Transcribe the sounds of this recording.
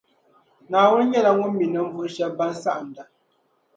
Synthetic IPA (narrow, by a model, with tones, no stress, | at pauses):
naː˨wɔ˦ɲɛ˦la˨ŋɔ˦mi˨nə˨m̩˦vu˦ʃɛ˦ba˦n˦sa̰˦ʔa˨n̩˨da˨